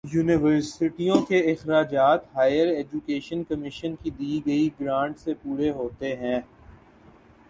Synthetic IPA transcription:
juːnɪʋəɾsɪʈijõkeɪxɾaːd͡ʒaːt̪ɦaːɪjəɾeːd͡ʒukeːʃənkɐmɪʃənkid̪iːɡɐiɡɾãːɳɖsepuːɾeɦoːt̪eɦɛ̃ː

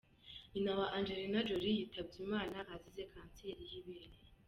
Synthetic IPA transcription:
inawaʔaːnd͡ʒeɾinad͡ʒoɾijitʰab̚ɟimaːnahazize̞kʰaːnseɾijiβeɾe

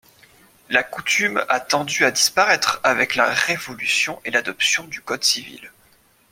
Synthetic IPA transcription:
lakut̪ymat̪ɑ̃d̪yad̪ispaʁɛt̪χavɛklaʁevɔlysjɔ̃ʔelad̪ɔpsjɔ̃d̪ykɔd̪sivḭl

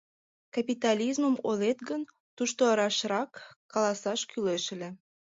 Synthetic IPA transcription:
kɑpit̪ɑlʲizməmolet̪ɡən | t̪uʃt̪oɑɾɑʃɾɑkːɑlɑsɑʃkyleʃele

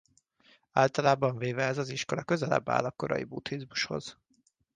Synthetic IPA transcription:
aːlt̪ɒlaːbɒɱveːvɛɛzɒziʃko̞lɒkø̞zɛlɛ̰bːa̰ːlɒkːo̞ɾɒ̰jibut̪hizmuʃho̞̰z̥

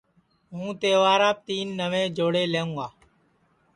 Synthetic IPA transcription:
ɦũːt̪eːʋaːɾaːp̚t̪iːnːəʋẽːd͡ʒoːɽeːleːũːaː

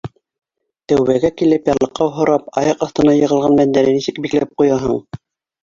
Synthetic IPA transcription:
t̪æwβæɡækilɘpjɑlˠɤ̆qːɑɦŏɾɑpɑ̰jɑqɑθt̪ɤ̆nɑjɤ̆ʁɤlˠʁɑnbænd̪æɾɘnisɘkbiklæp̚qujɑɦɤ̰ɴ

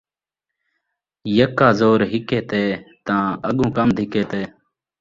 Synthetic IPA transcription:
jəkːaːzoːɾɦɪkeːt̪eːt̪ãːəɠõːkəmd̪ʱɪkeːt̪eː

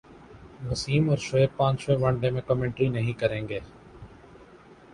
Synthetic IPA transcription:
ʋʊsiːmɔːɾʃoːepãːt͡ʃʃoeːʋə̃ɳɖẽːmẽkɔːmẽːɳʈɾinəɦĩːkəɾẽːŋɡeː

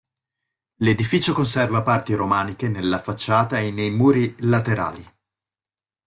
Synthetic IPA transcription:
led̪ifiːt͡ʃokonsɛrvapart̪iɾomaːnikenelːafat͡ʃːaːt̪aenːejmuːɾilat̪eɾa̰ːli

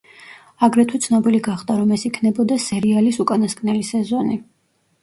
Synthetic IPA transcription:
aɡɾɛt̪ʰut̪sʰnɔbiliɡaχd̪aɾɔmɛsikʰnɛbɔd̪asɛɾialisukʼanaskʼnɛlisɛzɔni

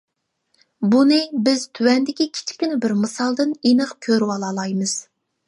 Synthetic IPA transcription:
bunɨbɪz̥t̪ʰywɛnd̪ɪkʲikʲʰi̥t͡ʃʰɪ̥kʲynɪbɪɾmɨsɑlˠd̪ɨnenɨqkʲʰøɾwɑlˠɑlˠɑjmɨz̥

